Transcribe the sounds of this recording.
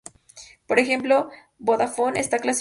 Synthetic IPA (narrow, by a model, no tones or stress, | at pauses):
po̞ɾexe̞mplo̞ | bo̞ðafo̞ne̞st̪aklas